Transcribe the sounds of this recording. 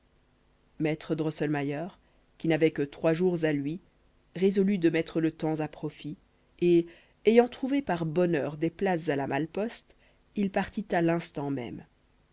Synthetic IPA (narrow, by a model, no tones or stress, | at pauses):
mɛt̪χəd̪ʁɔsɔlmajœːʁ | kʲinavɛkət̪χwaʒuʁzalɥi | ʁezɔlyd̪əmɛt̪χələt̪ɑ̃zapχɔfi | e | ejɑ̃t̪χuvepaʁbɔnœːʁd̪eplas̬zalamalpɔst̪ | ilpaʁt̪it̪alɛ̃st̪ɑ̃mɛ̰m